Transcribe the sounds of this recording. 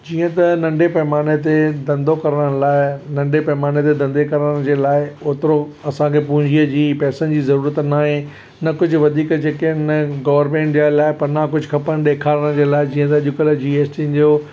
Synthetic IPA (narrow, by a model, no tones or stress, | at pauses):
d͡ʑiːə̃t̪ɐnɐ̃ɳɖepɐɦɪmaːnet̪̬ed̪ɐ̃nd̪okɐɾəɽ̃laːɪnɐ̃ɳɖepɐɦmaːnet̪ed̪ɐ̃nd̪ekɐɾəɽ̃d͡ʑeːlaːɪoːt̪ɪɾo | ɐsãkʰepʊ̃ɦɪ̃ɲd͡ʑʱiəd͡ʑiːpɛːsənɪd͡ʑiːzɐɾuːɾət̪naːɦẽ | nɐkʊd͡ʑʱʊʋɐd̪ʱiːkd͡ʑeːkeɪnəɡɐːʋəɾmẽːɳʈd͡ʑaːlaːɪpɐɾnakʊd͡ʑʱʊxʰɐpəñɗeːkʰaːɾəɽ̃d͡ʑeːlaːɪd͡ʑĩːə̃t̪ɐɐʄʊkəld͡ʑiːeːsʈind͡ʑoː